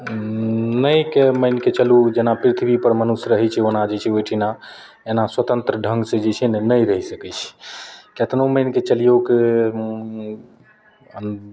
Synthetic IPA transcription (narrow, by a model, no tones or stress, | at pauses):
nəjkeməjnket͡ʃəlud͡ʒenapɾit̪ʰbʱipəɾmənusɾəɦɛt͡ʃʰɛonad͡ʒet͡ʃʰɛojʈʰina | enaswət̪ənt̪ɾəɖʱə̃ŋɡsẽd͡ʒet͡ʃʰɛnnəjɾəɦisəkɛt͡ʃʰɛ̥ket̪noməjnket͡ʃəlijoke